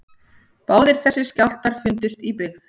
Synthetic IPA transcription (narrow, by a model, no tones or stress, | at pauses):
paːwðɪɾ̥θɛsːɪ̥scawl̥t̪aɾ̥fʏnt̪ʏst̪ipɪɣθ